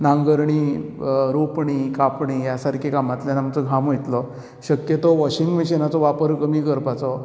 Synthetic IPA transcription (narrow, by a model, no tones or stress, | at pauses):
nãŋɡəɾɳiːɾopɳiːkapɳijasaɾkʰikamat̪ljanamt͡sɔɡʱamojt̪lɔ | ɕəkjət̪ɔʋɔɕiŋɡʋiɕenat͡sɔʋapəɾkəmiːkəɾpat͡sɔ